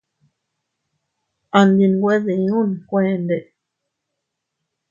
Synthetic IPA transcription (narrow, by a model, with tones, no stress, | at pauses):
a˧nd̪i˧n˧ɡʷe˦ðe˨˦ũ˦n˨kʷẽ˧nd̪e˨